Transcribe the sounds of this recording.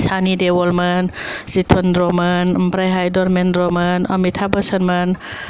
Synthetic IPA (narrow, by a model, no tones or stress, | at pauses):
sʰanidewɔlmənsit̪ʰɔndɾɔmanmpɾajɦajdɔɾmendɾomənɔmitʰabəsənmən